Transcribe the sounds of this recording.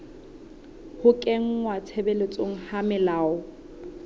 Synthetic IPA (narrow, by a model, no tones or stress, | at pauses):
hʊkʼeŋ̩wat͡sʰebelet͡sʼoŋ̩hamɪlaːʊ